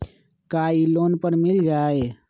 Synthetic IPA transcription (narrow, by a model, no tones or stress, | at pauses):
kaːiloːnpəɾmɪld͡ʒaːe